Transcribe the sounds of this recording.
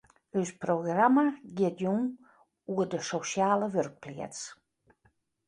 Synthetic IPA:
øsproɣramaɡɪətjun | uədəsoʃjaːləʋørk̚pliət͡s

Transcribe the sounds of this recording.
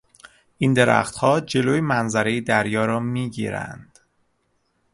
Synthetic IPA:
ʔind̪e̞ɾæ̰xt̪hɒːd͡ʒe̞loːjemænzæɾe̞jid̪æɾjɒːɾɒːmiːɟḭːɾæ̰nd̪̥

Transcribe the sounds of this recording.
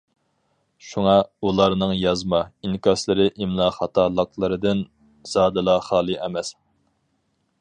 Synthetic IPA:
ʃuŋɑulˠɑɾnɨŋjɑzmɑinkɑslˠɨɾɪʔimlˠɑχɑt̪ʰɑlˠəqlˠɨɾɨd̪ɨn | z̥ɑːd̪ɨlˠɑχɑːlˠɨʔɛmɛs

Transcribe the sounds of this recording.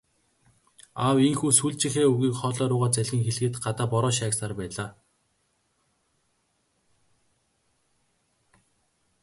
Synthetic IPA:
awiŋxuːsuɮt͡ɕɪ̆xeːuɣiːkχɔːɮɔːɾʊːʁaːt͡sæɮɣĭŋxeɮ̆ɣɘ̆t̪ɢat̪aːpɔɾɔːʃaːksaːrpæːɮaː

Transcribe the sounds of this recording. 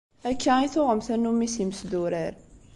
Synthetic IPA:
ækːæiθʊʁəmθænːumːisiməsd̪uɾəɾ

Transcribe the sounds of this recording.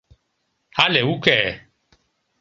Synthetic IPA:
halɛwukɛ

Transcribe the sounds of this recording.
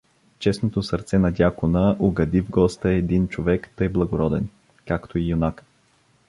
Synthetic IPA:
t͡ʃɛsnot̪osəɾt̪sɛnɐd̪ʲjakonəʔoɡɐd̪ivɡɔst̪əɛd̪int͡ʃovɛkt̪əjblˠɐɡoɾɔd̪ɛn | kakt̪ʰoijonak

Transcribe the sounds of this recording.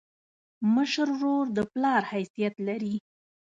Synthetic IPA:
məʃəɾɾoɾd̪əplɑɾhajsijat̪laɾi

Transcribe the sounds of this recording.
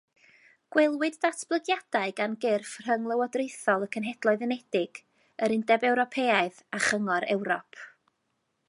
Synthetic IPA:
ɡ̥wɛlˠwɨddatʰb̥lˠəɡjad̥aɨɡanɡɪrfr̥əŋlˠəwɔdrejθɔlˠəkʰənɦɛd̥lˠɔɨðənɛd̥ɪɡ̥ | əɾɪndɛbɛwɾɔpʰeːaɨðaχəŋɔɾɛ̰wɾɔpʰ

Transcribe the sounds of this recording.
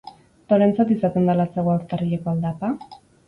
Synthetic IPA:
t̪o̞ɾe̞nt͡sat̪isat̪e̞nd̪alaseɣoakt̪ariʎekoald̪apa

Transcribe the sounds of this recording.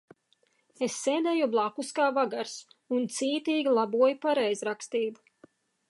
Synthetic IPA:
esːeːd̪ɛjublˠakuskaːvaɡaɾsunt̪siːt̪iːɡʲilˠabuɔjupaɾɛjzɾakst̪iːbu

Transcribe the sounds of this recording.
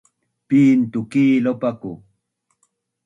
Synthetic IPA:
piːnt̪ukiːlopaku

